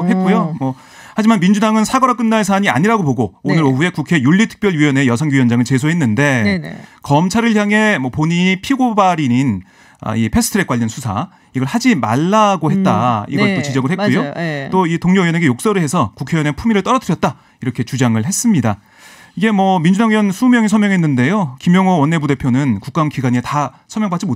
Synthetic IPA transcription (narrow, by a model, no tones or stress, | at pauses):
hetk͈ojomʌ | had͡ʑimanmind͡ʑudaŋɯnsʰaɡʌɾak͈ɯnːaɭs̬ʰaɲia̰ɲiɾaɡoboɡoonɯɾoɸue̞kukʰe̞juɭːitʰɯ̥k̚p͈jʌɭjujʌne̞jʌsʰʌŋɡujʌnd͡ʑaŋɯɭt͡ɕe̞sʰoɦenːɯnde̞kʌmt͡ɕʰaɾɯɭçjaŋe̞mwʌpoɲipʰiɡobaɾinin | a̰ipʰe̞sʰɯ̥tʰɾe̞k͈waʎːjʌnsʰusʰa̰ | iɡʌɭhad͡ʑima̰ɭːaɡohe̞t̚t͈aḭɡʌtt͈ot͡ɕid͡ʑʌɡɯɭɦetkujot͈oitoŋɲojʌne̞ɡejok̚s͈ʌɾɯɭhɦe̞sʰʌkukʰe̞jʌne̞pʰumiɾɯɭt͈ʌɾʌdɯɾjʌt̚t͈a | iɾʌkʰe̞t͡ɕud͡ʑaŋɯɭɦe̞s͈ɯmɲida | iɡe̞mwʌmind͡ʑudaŋijʌnsʰumjʌŋis̬ʰʌmjʌŋɦe̞nːɯnde̞jokimjʌŋʌwʌnːe̞bude̞pʰjonɯnkuk͈̚amkiɡaɲieta | sʰʌmjʌŋbat͡ɕ͈imo